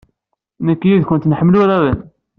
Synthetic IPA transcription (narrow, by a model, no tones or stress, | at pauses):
nəkːjiðkʊnt̪nəħmluɾæðən